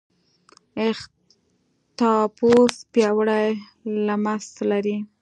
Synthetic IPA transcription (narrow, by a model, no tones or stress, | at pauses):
ɪx | t̪ɑpospjɑwɽaj | lamaslaɾi